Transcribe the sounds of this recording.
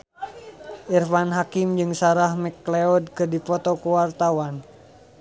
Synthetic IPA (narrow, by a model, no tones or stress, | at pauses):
irfanɦakɪmd͡ʒɨŋsaɾahmɛkleɔd̚kɨrdipɔt̪ɔkuwart̪awan